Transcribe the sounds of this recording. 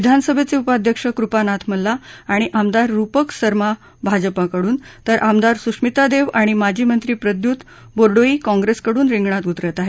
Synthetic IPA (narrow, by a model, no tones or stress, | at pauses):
ʋid̪ʱansəbʱet͡seupad̪ʱjəkʂəkɾupanat̪ʰməlːaaɽ̃iʔamd̪aɾːupəksəɾma | bʱad͡zəpakəɽuːnt̪əɾʔamd̪aɾsuʂmit̪ad̪eʋaɽ̃imad͡ʑʱiːmənt̪ɾiːpɾəd̪juːt̪ | boɾɖoiːkɔ̃ŋɡɾeskəɽuːnɾiŋɡɳat̪ut̪ɾət̪aɦe